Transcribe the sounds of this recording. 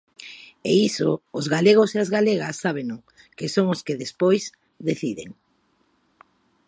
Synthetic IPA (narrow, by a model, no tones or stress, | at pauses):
eisoːzɣaleɣ̞ʊseazɣaleɣasːaβenʊ | kɪsoŋoskɪðespojs | ðeθiðḛŋ